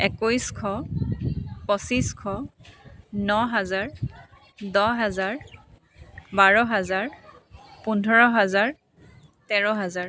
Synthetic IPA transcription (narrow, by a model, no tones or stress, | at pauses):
ɛkujskʰɔ | pɔsiskʰɔ | nɔɦazaɹ | dɔɦazaɹ | baɹɔɦazaɹpundʱɔɹɔɦazaɹ | tɛɹɔɦazaɹ